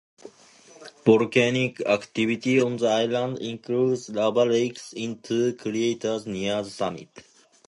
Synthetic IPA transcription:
b̥ɔɾkænikækt̪ivit̪iɔ̃nðəajlãndḭ̃nkʰɾuːdzlabəleksĩnt̪ʰukʰɾietəzniəzəsamḭt

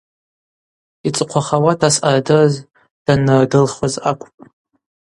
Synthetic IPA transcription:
it͡sʼɨqʷʰaχawatʰasʔardɨz | d̥anɨrdɨlχazakʷʼʰpʼ

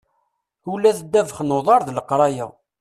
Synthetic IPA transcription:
ulːæθəd̪ːævəχnoðˤɑɾˤðləqɾˤɑjæ̰

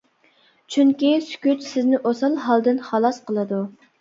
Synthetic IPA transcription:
t͡ʃʰyŋkʲisy̥kʲyt̪sɪznɪʔosɑlˠɦɑlˠd̪ɨnχɑlˠɑsqʰəlˠɨd̪u

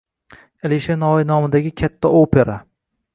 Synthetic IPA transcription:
eliʃenɒɪnɒmɪd̪aɡʲɪkʲʰat̪ʰːaopʰe̞ɾa

